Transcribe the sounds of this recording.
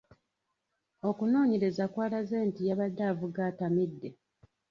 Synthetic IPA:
o̞kuno̞ːɲe̞ɾe̞zakwaːlazeːntijaβadːaːvuɡaːtamidːe

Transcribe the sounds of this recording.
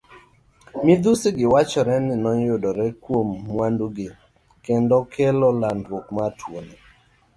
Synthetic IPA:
mɪd̪usiɡɪwat͡ʃɔɾɛnɪnɔjodɔɾɛkwomːwandoɡɪ | kendɔkʰelɔlandwokmatʰwone

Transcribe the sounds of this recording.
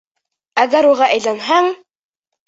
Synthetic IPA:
æɡæɾuʁɑʔæjlænɦæŋ

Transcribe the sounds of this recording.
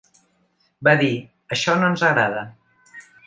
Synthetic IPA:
baði | əʃɔnoənzəɣɾaðə

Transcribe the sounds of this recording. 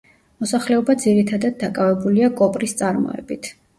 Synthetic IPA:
mɔsaχlɛɔbad̪ziɾit̪ʰad̪ad̪̚ːakʼavɛbuliakʼɔpʼɾist̪sʼaɾmɔ̰ɛ̰bit̪ʰ

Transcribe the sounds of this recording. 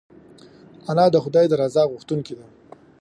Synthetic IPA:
anɑd̪əxʊd̪ɑjd̪aɾɑzɑɣʊxt̪unkid̪a

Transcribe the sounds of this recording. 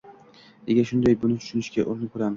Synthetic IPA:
eɡʲaʃʊnd̪ajbʊnɪt͡ʃʰʊ̥ʃʊnɪʃkʲaʔoɾnɪkʰɵɾamɪ̥

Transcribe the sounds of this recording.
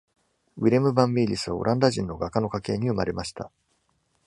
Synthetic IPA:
βiɾemɯ̟bãmbʲiɾʲisɨβao̰ɾʔãnd̪aʑĩnːo̞ɡakːano̞kake̞ːɲ̟iɯ̟maɾe̞maɕi̥t̪a

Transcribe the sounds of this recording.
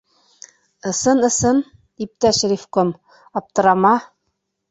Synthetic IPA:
ɤ̆sɤnɤ̆sɤn | ip̚t̪æʃɾʲifkom | ɑp̚t̪ɤ̆ɾɑmɑ

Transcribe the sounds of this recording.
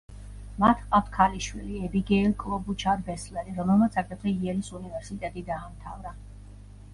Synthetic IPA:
mat̪ʰqʼat̪ʰkʰaliʃwiliɛbiɡɛːlkʼlˠɔbut͡ʃʰaɾbɛslɛɾiɾɔmɛlˠmat̪sʰakʰɾɛt̪ʰiiɛlisunivɛɾsit̪ʼɛt̪ʼid̪aːmt̪ʰa̰vɾa

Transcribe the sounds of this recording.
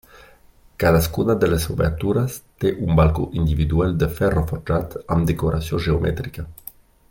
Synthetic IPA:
kaðaskunad̪əlesubḛɾt̪uɾast̪eʔumbalkoʔind̪ivid̪uɛld̪əfɛrofoɾd͡ʒat̪amd̪ekoɾʔasjoʒeomɛ̰t̪ɾika

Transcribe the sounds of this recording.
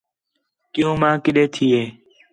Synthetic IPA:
kɪjõːmãːkɪɗeːt̪ʰiːeː

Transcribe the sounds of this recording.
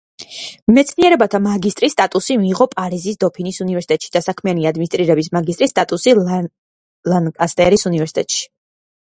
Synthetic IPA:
mɛt̪sʰniɛɾɛbat̪ʰamaɡist̪ʼɾisːt̪ʼat̪ʼusimiːʁɔpʼaɾizisd̪ɔpʰinisunivɛɾsi̥t̪ʼɛt̪ʼʃid̪̥asakʰmianiad̪minist̪ʼɾiɾɛbis̬maɡist̪ʼɾist̪ʼat̪ʼusi | lankʼast̪ʼɛɾisunivɛɾsi̥t̪ʼɛt̪ʼʃi̥

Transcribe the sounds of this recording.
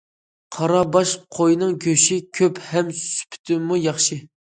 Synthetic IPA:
qʰɑɾɑbɑʃqʰojnɨŋɡʲøʃikʲʰøphɛmsy̥pʰt̪ʰɪmːujɑχʃi

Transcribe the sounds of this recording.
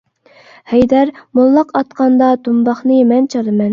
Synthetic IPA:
hɛjd̪æɾmolˠːɑqɑt̪̚qɑnd̪ɑd̪umbɑχnɨmɛnt͡ʃʰɑɾɨmɛn

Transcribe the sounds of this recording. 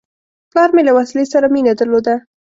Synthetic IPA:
plɑɾmelawaslesaɾaminad̪əɾlod̪a

